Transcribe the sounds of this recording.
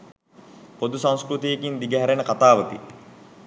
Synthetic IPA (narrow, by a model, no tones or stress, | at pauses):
pod̪usãŋ̃skɾut̪ijekind̪iɡəɦæɾenəkat̪aːʋət̪i